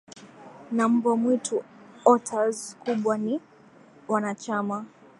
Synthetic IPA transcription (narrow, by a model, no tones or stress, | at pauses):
nam̩bɔmwitʰuɔtʰazkuɓwani | wanat͡ʃama